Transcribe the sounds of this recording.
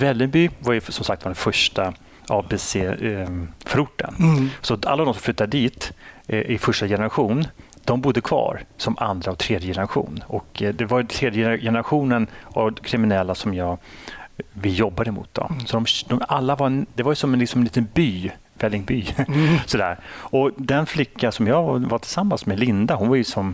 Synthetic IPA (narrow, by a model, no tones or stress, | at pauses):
vɛlːɪŋbyːvaɾjɵsɔmsakt̪vaɖɛnfœʂʈa | ʔɑvbeseː | fœɾʊʈːə̰nsɔa̰lːavd̪ɔmsɔmfl̟ːt̪ːad̪əd̪iːt̪ʔɪfœʂʈajɛnəɾaɧuːn | d̪̥ɔmbʊd̪ːəkʰvɑ̰ːɾsɔmʔa̰nd̪ɾaɔt̪ʰɾeːd̪jəjɛnəɾaɧṵːnɔkd̪ɛvaɾt̪ʰɾeːd̪jəɛjɛnəɾaɧuːnənʔɔkʰɾɪmɪnɛlːasɔmjɑːɡ | vɪjɔbːad̪əmṵːt̪d̪ɔ̰sɔd̪ɔmd̪ɔmalːavaɾɛnd̪ɛvaɾjsɔmɛnɪksɔmɛnliːt̪ənbyː | vɛlːɪŋbyːsɔd̪æ̰ːɾɔd̪ɛnflɪkʰːasɔmjɑːvvaʈ̪ʰɪlsamːansmɛlɪnd̪aɦʊnvaɾjɵsɔm